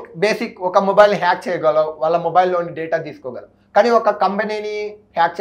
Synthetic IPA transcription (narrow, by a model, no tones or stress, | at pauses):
beːsikɔkɐmobɐjilnɦaːk̚t͡ʃɛːjɡaːloːʋaːɭːɐmobɐjlːoːnːiɖeːʈaːt̪iːsu̥kɔːɡaːlɐ | kaːniːɔkɐkɐmpeninihaːk̚t͡ʃ